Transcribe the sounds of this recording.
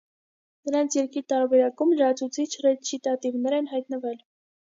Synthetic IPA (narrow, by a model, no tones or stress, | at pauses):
nəɾɑnt͡sʰjɛɾkiɾt̪ɑɾbɛɾɑkumləɾɑt͡sʰut͡sʰit͡ʃʰrɛt͡ʃʰit̪ɑt̪ivnɛɾɛnɦɑjt̪nəvɛl